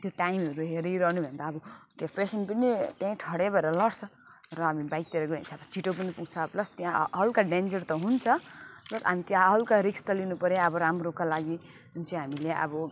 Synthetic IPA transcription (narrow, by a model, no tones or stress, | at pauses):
t̪joʈajmʌɾuɦeɾijɾʌɦnubʱʌnd̪aːbʌt̪jãpesʌnpʌnit̪jãĩʈʰʌɽebʌeɾʌlʌɽt͡sʰʌ | rʌɦamibajt̪eɾʌɡʌint͡sʰʌbʌsiʈopʌnipuɡt͡sʰʌplʌst̪jãɦʌlkaɖend͡zʌrt̪ʌɦunt͡sʰʌplʌsɦamit̪jãɦʌlkaɾikst̪ʌlinupʌɾeʌbʌɾamrokalaɡi | ɦunt͡sʰiɦamileʔʌ̰bʌ